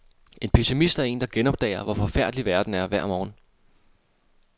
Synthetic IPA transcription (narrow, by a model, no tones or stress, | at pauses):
e̝npʰe̝simisd̥æɐe̝̰ːnd̥ɑ̈ɡ̥enɒ̽b̥̚d̥ɛ̰ːɪɐʋɒfɒ̽fæɐ̰d̥liʋæɐd̥n̩æɐʋæɐ̰mɒːn̩